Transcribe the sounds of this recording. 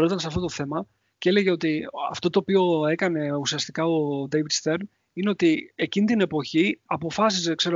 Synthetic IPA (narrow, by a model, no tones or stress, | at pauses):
ɾo̞t̪ɐnsɐft̪ot̪o̞θe̞mɐ | cele̞ʝe̞o̞t̪iɐ̰ft̪o̞t̪o̞ːpio̞e̞kɐne̞usiɐst̪ikɐo̞d̪ejvid̪st̪e̞ɾn | ine̞o̞t̪ie̞cinit̪ine̞po̞çiɐpo̞fɐsizekse̞ɾo